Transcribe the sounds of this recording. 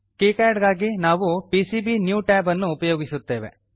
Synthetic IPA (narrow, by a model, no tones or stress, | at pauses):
kiːkaːɖɡaːɡinaːʋupiːsibinjuːʈɛːbɐnːuːpɐjoːɡisut̪ːe̞ːʋḛ